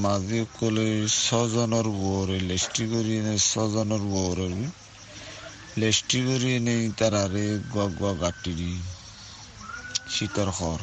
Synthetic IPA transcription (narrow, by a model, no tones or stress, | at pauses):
maziɔkːɔlesɔzɔnɔɾbɔɾelesʈiɡoɾienesɔzɔnɔɾbɔɾɔɾi | lesʈiɡoɾienejt̪aɾaɾeɡuaɡuaɡaʈːiɾi | sitɔɾxʰɔɾ